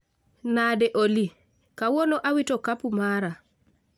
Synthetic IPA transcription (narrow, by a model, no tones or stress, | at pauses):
nadɛʔoli | kawɔnɔʔawitɔkapumaɾa